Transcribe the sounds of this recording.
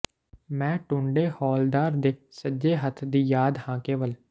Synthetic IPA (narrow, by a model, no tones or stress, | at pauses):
mɛ̃ːʈʊ̃ɳɖeːhɔːld̪aːɾd̪eːsəd͡ʒeːɦət̪ʰd̪iːjaːd̪hãːkeːʋəl